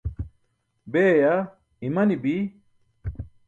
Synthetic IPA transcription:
beːja | imɐnibi

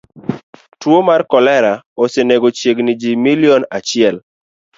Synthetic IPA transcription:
twomarkɔlɛɾa | oseneɡot͡ʃjeɡnɪd͡ʒimiliɔnat͡ʃɪɛl

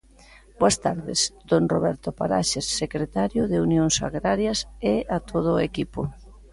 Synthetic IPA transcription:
boɐst̪aɾðɪ̰sd̪̥onro̰βɛɾt̪ʊpa̰ɾaʃesːekɾet̪aɾjʊðeunjoŋsa̰ɣɾaɾjɐseat̪ʰoð̞ʊːekipʊ

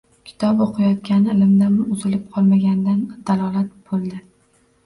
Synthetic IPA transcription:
kʲʰɪ̥t̪ʰɒpoqʰɨjɒt̪̚kʲanɪlɪmd̪amʊzɪlɪp̚qʰɒlˠmaɡʲanɪd̪and̪̥alˠɒlˠat̪̚b̥olˠd̪ɪ

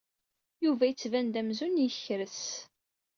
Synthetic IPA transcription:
juvæjət͡sːvænd̪æmzunjəçɾəs

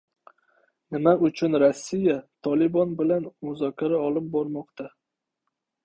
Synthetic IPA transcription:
nɪmaʊt͡ʃʰʊnɾasːijat̪ʰɒlɪbɒnbɪlanmʊzɒkʲʰaɾaɒlˠɪp̚bɒɾmɒqt̪ʰa

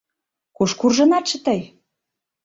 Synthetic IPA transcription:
kuʃkurʒɤ̆nɑt̪ʃə̆t̪əj

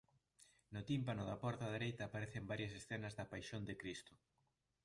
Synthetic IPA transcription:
nʊt̪impanʊðɐpɔɾt̪ɐðeɾejt̪ɐːpaɾeθembaɾjɐs̬esθɛnɐzðɐpajʃond̪ekɾist̪ʊ̥

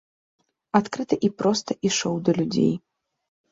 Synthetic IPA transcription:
at̪kɾɨt̪ɐʔipɾɔst̪ɐʔiʂɔwd̪ɐlʲud͡zʲḛj

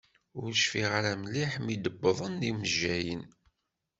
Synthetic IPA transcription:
ʊɾʃfiʁaɾæmliħmid̪əbːəðˤənːiməʒːæjən

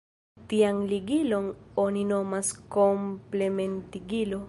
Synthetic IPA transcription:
tianliɡilo̞no̞nino̞masko̞mple̞me̞ntiɡilo

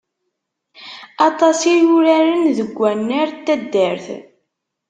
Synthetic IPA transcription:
ɑt̪ˤɑsijʊɾæɾənðəɡʷːænːəɾt̪ːæd̪ːəɾθ

